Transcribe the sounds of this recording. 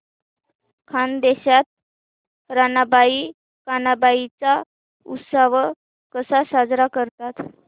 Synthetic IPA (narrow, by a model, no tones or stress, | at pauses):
kʰand̪eɕat̪̚ | ɾanabai | kanabait͡sa | ṵt̪saʋ | kəsasad͡zɾakəɾt̪at̪